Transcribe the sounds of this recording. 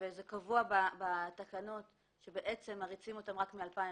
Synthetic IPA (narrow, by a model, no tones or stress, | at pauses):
vezekavuababatakano̞t | ʃe̞beʔet͡se̞mːaʁit͡simo̞tamʁakmialpai